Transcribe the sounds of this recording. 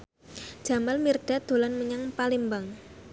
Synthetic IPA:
d̥ʒ̥a̤malmirɖ̥a̤d̪̥o̤lanməɲaŋpalimbaŋ

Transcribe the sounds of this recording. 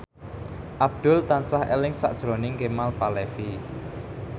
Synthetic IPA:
ʔab̚d̪̥ʊ̤lt̪ansahḛlɪŋsa̰ʔd̥ʒ̥ɾonɪŋkemalpalɛfi

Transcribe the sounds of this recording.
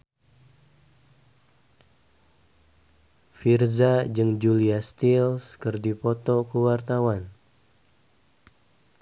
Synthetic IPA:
firzad͡ʒɨŋd͡ʒuliast̪ilskərdipɔt̪ɔkəwart̪awan

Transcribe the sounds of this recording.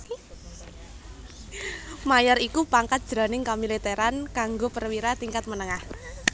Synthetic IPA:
majɔɾikupaŋkat̪̚d̥ʒ̥ɾa̤nɪŋkamilit̪eɾankaŋɡopərwiɾat̪iŋkat̪̚mənəŋah

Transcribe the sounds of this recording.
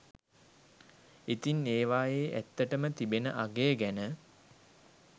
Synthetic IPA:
it̪ineːʋaːjeːʔæ̰t̪ːəʈəmət̪ibenəʔaɡeːɡænə

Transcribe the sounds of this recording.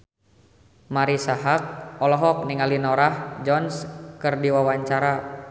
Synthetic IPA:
maɾisaɦak̚ɔlɔɦɔk̚niŋalinɔɾahd͡ʒɔnskərdiwawaɲt͡ʃaɾa

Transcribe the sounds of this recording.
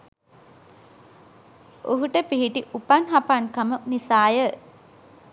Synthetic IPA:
oɦuʈəpiɦiʈiʔupanɦapankamənisaːjə

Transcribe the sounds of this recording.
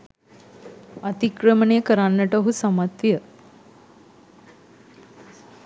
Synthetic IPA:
ət̪ikɾəməɳekəɾanːəʈəɦusəmat̪ʋjə

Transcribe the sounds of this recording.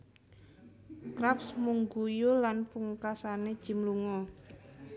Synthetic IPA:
kɾapsmuŋɡujulanpuŋkasaned̥ʒ̥i̤mluŋɔ

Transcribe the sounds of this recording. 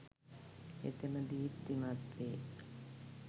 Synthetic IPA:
ḛt̪enəd̪iːt̪ːiŋat̪ʋeː

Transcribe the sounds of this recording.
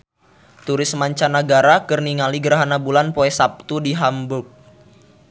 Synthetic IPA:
t̪uɾɪsmaɲt͡ʃanaɡaɾakərniŋaliɡəɾaɦanabulanpoɛsap̚t̪udiɦambʊk̚

